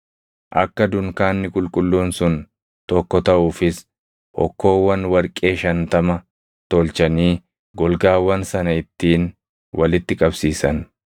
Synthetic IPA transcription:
ʔɐ̰kːɐd̪ʊŋkaːnːɪkʼʊlkʼʊlːuːnsʊn | t̪ɔkːɔt̪ɐʔuːfɪs | ʔɔ̰kːo̞ːwːɐnwɐɾkʼe̞ːʃɐnt̪ɐmɐ | t̪ɔlt͡ʃɐniː | ɡɔlɡaːwːɐnsɐnɐɪt̪ːiːn | wʔɐlɪt̪ːɪkʼɐbsiːsɐn

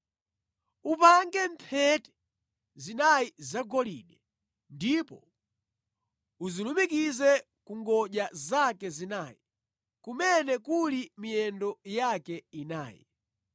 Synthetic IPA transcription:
upaŋɡɛmpʰɛtɛ̥ | zinajizaɡɔlḭɗɛ | ndipɔ̰ | uzilumik̬izɛ | kuŋɡɔʄazakɛzinaji | kumɛnɛkulimijɛndɔjakɛina̰ːjḭ

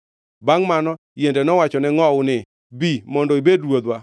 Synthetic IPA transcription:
baŋmanɔ | jendɛnɔwat͡ʃɔnɛŋɔʊnɪ | bimɔndɔibedwod̪wa

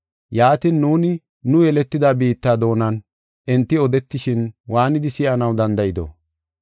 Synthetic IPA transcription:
jaːt̪inːuːnɪ | nʊjɛlɛt̪ːɪd̪aːbiːt̪ːaːd̪o̞ːnɐn | ʔɪnt̪ːɪɔd̪ɛt̪ːɪʃɪnwaːnɪd̪ɪsɪʔɐnɐwd̪ɐnd̪ɐʔɪd̪ɔ̰

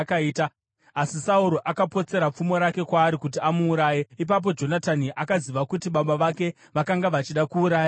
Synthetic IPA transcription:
kaiːta | asisauɾo̞ʔakapo̞t͡se̞ɾap͡fumo̞ɾake̞kwaːɾikut̬iamuːɾaːjeip̬ap̬o̞d͡ʒo̞nataniʔakaziʋakutiɓaɓaʋake̞ | ʋakaŋɡaʋat͡ʃiɗakuːɾaːja

